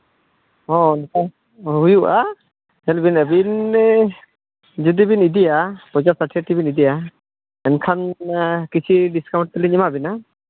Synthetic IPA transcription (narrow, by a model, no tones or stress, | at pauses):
ɔɛnkʰa | ɦujuʔa | ɛlbinəbin | d͡ʒud̪ibinid̪ijapɔzasaʈʰiaʈibinid̪ija | ɛnkʰankit͡ʃʰiɖiskawɳʈ̚t̪ɛliɲimabina